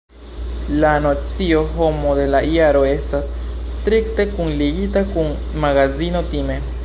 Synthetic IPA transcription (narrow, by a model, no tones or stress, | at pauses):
lano̞t͡sio̞ɦo̞mo̞d̪e̞laʔiaɾo̞e̞stasːtɾikte̞kunliɡitakun | maɡazino̞time̞